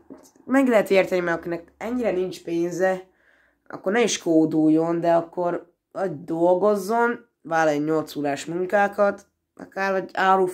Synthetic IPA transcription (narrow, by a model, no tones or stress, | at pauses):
mɛɡlɛɦɛt̪eːrt̪ɛnimɛɡɒkinɛkɛɲːiɾɛnint͡ʃpeːnzɛ | ɒ̰kːo̞rnɛiʃkoːd̪uːjo̞nd̪ɛɒkːo̞ɾ | ɒɟd̪o̞lɡo̞zːo̞n | vaːlɔjoɲo̞lt̪suːlaːʃmuŋkaːkɒt̪ | ɒ̰kaːɾɒɟaːɾuː